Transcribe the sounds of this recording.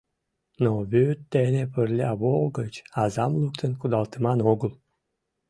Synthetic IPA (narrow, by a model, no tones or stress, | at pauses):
noβøt̪ːenepərlʲɑβolɡət͡ɕɑzɑmlˠukt̪ənkud̪ɑlˠt̪əmɑnoɡəl